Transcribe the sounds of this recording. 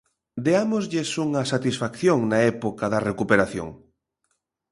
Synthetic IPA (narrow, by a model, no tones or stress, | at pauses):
d̪eamozʎɪsuŋɐsat̪isfakθjoŋnaɛpokaðɐrekupeɾaθjo̰ŋ